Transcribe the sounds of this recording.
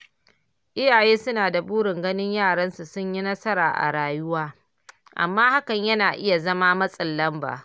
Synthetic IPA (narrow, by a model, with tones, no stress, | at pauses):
ʔɪ˦jaː˨jeː˦sʊ˦naː˨da˨buː˦ɽɪ˨ŋɡɐ˦nɪ˦ɲjaː˦˨ɽɐ˦nsu˨sʊ˦ɲji˦nɐ˦sɐ˦ɾa̰ː˨ʔa̰˨ɽaː˨jʊ˦waː˦ | ʔa̰˨mːaː˦ha˦kɐ˨ɲjɐ˦naː˨ʔɪ˦ja˨zɐ˦maː˦mɐ˦sʼɐ˨lːɐ˦mba̰ː˨